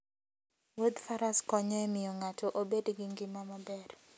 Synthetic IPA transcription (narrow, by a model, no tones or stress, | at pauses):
wod̪faɾaskɔɲɛmɪjɔŋatɔʔobedɡɪŋɡɪmamabɛr